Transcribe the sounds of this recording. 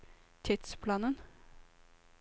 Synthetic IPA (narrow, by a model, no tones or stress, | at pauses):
t̪ʰɪt̪spʰlɑːnən